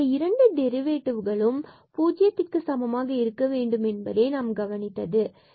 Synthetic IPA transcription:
ɐɪɾɐɳɖɯd̪ɛɾɯʋeːʈːɯʋɯɣɐɭɯm | puːd͡ʒɪjɐt̪ːɪrkɯsɐmɐmaːɣɐɪɾɯkːɐʋeːɳɖɯmɛnbɐ̰ðeːnaːmɡɐʋɐnɪt̪ːɐðɯ

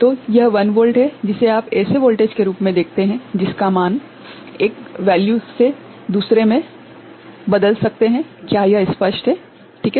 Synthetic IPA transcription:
t̪oːjɐɦʋɐnʋoːlʈɦɛd͡ʒɪseaːpɛːseʋoːlʈeːd͡ʒkeɾuːpmẽd̪eːk̚ʰt̪eɦɛ̃d͡ʒɪskamaːn | eːkʋɛːljuse | d̪uːsɾemẽ | bɐd̪əlsɐk̚t̪eɦɛ̃kjaːjɐɪspəʃʈɦɛː | ʈʰiːkɛ

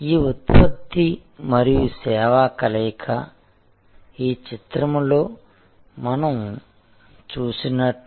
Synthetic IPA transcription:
iːut̪̚pɐt̪ːimɐɾijusɛːʋaːkɐlɛːjkʰɐ | iːt͡ʃit̪ɾɐmlo̞ː | mɐnɐm | t͡ʃuːsinɐʈː

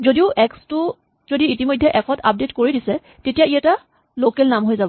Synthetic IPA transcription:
zodiʊʔɛkstʊ | zodiitimojdʱːɛʔɛkʰɔtʰa̰p̚detkoɹidisɛ | tetijaiɛta | lokɛlnamɦojzabɔ

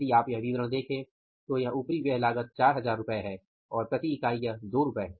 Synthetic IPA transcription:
iaːpjɐɦʋiːbɾə̃ɽ̃d̪eːkʰẽː | t̪ojɐɦupɾiʋjɐɦlaːɡət̪̚t͡ʃaːɾɦɐzaːɾːʊpəeɦɛː | ɔːɾpɾɐt̪iɪkaːijad̪oːɾʊpəeɛ

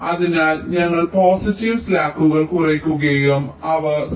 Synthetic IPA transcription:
ɐðinaːlɲɐŋːɐɭpoːsitːiʋslaːkːuɣɐɭkurekʲːuɣɐjumɐʋɐ

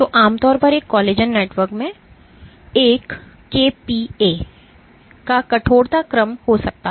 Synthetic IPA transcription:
t̪oʔaːmt̪ɔːɾpɐɾeːkːɔːleːd͡ʒənːeːʈʋəɾkmẽ | eːkː | eːpieː | kakɐʈʰoːɽt̪akɾəmhosɐk̚t̪a

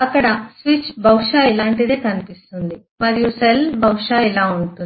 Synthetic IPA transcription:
ɐkːɐɽɐsʋit͡ʃbʱɐwʂaːilaːɳʈid̪eːkɐnipist̪und̪i | mɐɾijuselbʱɐwʂaːilaːuɳʈu

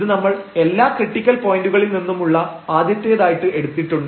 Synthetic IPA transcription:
ðɨnɐmːɐɭe̞lːaːkriʈːikʲːɐlpo̞ːjinɖuɣɐɭilninːumuɭːɐ | aːd̪jɐt̪ːjɐjɐðaːjiʈːɨe̞ɽut̪ːiʈːuɳɖ

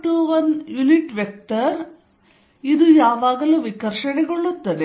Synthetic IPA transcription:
ʈuʋɐnjuliʈʋjek̚ʈɐɾ | id̪ujaːʋaːɡɐluʋikɐɾʂɐɳɛɡoɭːut̪ːɐd̪e

